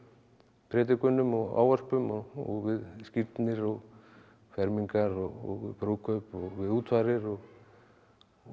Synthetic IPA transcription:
pʰɾɛːt̪̬ɪkʏnːʏmɔɣa̰ːwarpʏmɔɔ̰ɣvɪðskiɾt̪nɪɾɔɣ | fɛɾmiŋkaɾɔɣɔ̰ɣpɾowkʰœpɔɣvɪðuːt̪faɾɪɾɔɣ

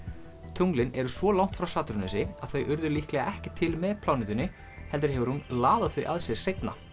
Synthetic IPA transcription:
t̪ʰowŋlɪnɛɾʏsvɔlawŋ̥t̪fɾawsaːt̪ɾʏnɪsɪaðθœɥʔʏɾðʏɾliːhklɛɣaʔɛhcɪt̪ʰɪlmɛðpʰlawnɪt̪ʏnːɪ | hɛlt̪ɪɾ̥ɦɛvʏɾhunlaːðaθœjʔaðsɛɣsejt̪na̰

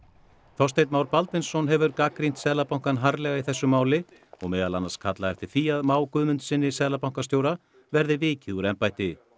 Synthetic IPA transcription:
θawst̪ejt̪maːwɾpalt̪ɪnsːɔnɦɛvʏɾkaːkɾin̥t̪sɛðlapawŋ̥kanɦaɾlɛɣaiθɛsːʏmaːwlɪ | ɔɣmɛːðalanːḁskʰat̪laɛft̪ɪɾ̥θiːjaðmaːwkʏðmʏnt̪sɪnːɪsɛːlapawŋ̥kast̪jowɾa | vɛɾðɪvɪːcɪðuɾɛmpajht̪ɪ

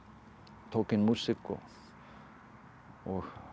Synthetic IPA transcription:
t̪ʰoːkɪnmusɪkːɔ̰ | ɔɣ

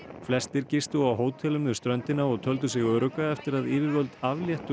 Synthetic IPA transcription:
flɛst̪ɪɾcɪst̪ʏawɦoːwt̪ʰɛlʏmðʏ̥st̪ɾœnt̪ɪnaɔɣt̪ʰœlt̪̬ʏsɪɣœːɾʏkaɛft̪ɪɾaðɪːvɪɾvœlt̪avljɛht̪ʏ

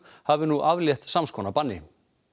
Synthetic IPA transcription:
havɪnuʔavljɛxt̪samskʰɔːnapanːɪ̰

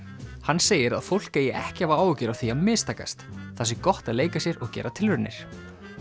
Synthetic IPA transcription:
hanːseːjɪɾa̰ðfowl̥kejɛʔɛhcɪhavaaːwʏcɪɾawθiamɪːst̪ʰaːka̰st̪θasɪkɔht̪aðleːjkasjɛɾɔɣcɛ̰ːɾat̪ʰɪlvʏɾnɪ̰ɾ̥

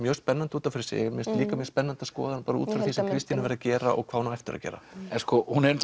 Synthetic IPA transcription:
mjœːspɛnːant̪uːt̪anfɪɾɪ̥ɾ̥sjɛ̰ɣmjɛst̪liːkamjœspɛnːant̪askɔ̰ːðanpaːɾaṵt̪fɪɾθisɛmkʰɾɪst̪inavɛɾðacɛːɾa̰ʔɔ̰ɣkʰvaːnaɛft̪ɪɾa̰cɛ̰ːɾa̰ɛnskɔhunɛɾ

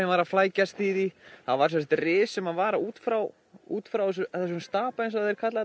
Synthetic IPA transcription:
ɛvaːɾaflaːjcast̪iːðiθavaɾsɛs̬t̪rɪːsɛmaðvaːɾauːt̪fɾaw | ṵːt̪fɾawɛs̬ʏɛt̪ːas̬ɔnst̪aːpaens̬aðɛjɾ̥kʰat̪la

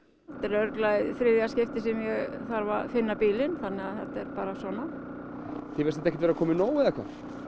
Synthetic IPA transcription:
θɛt̪ɛɾœɾklaðfɾɪːljascɪft̪ɪsɛmjɛɣθaɾvafɪnːapiːlɪnθanːɛɣaðθɛht̪ːɛɾpaːɾasɔːna | θɪvɛɾsɛt̪ɛhcːɪt̪vɛɾakʰɔːmɪnoːwɪðɛkʰva̰̥

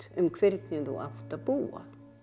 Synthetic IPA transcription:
ʏmkʰvɪɾt̪nʏθṵʔa̰ht̪aðpuːa̰

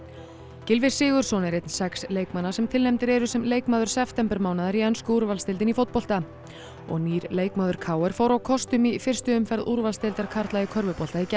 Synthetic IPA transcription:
cɪlvɪsɪːɣʏɾ̥sɔnɪɾejt̪nsɛksleːjkmanːḁsɛmt̪ʰɪlnɛmt̪ɪɾɛɾʏsɛmleːjkmaːðʏɾ̥sɛft̪ɛmpɛɾmaːwnaðaɾiɛnskʏuɾvalst̪ɪlɪnifowt̪pɔl̥t̪a | ɔ̰ɣniːɾleːjkmaːðʏɾ̥kʰaːwɛɾ̥fowɾawkʰɔst̪ʏmifɪr̥st̪ʏʏmfɛɾðuɾvalst̪ɪlt̪aɾkʰaɾ̥t̪lajɪkʰœɾvʏpɔl̥t̪aicɛ

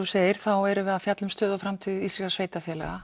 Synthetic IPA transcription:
useːjɪɾ̥θawɛɾʏvɛːðafjat̪lʏmst̪œːðafɾamt̪ʰɪðisɾikasveːjt̪afjɛlɛ̰ɣa

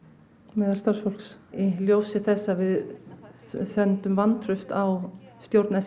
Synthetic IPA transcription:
mɛːðalst̪aɾ̥sfolksɪljoːwsɪθɛsːavɪð | sɛnt̪ʏmvant̪ʰɾʏst̪awst̪jowɾt̪nɛ

